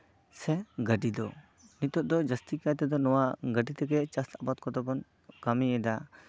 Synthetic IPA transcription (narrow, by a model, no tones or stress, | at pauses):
sɛɡəɖid̪ɔ | nit̪ɔʔ̚d̪ɔd͡ʒəst̪ikat̪ɛd̪ɔnɔwaɡəɖit̪ɛɡɛt͡ʃasabat̪kɔd̪ɔbɔn | kamiɛd̪a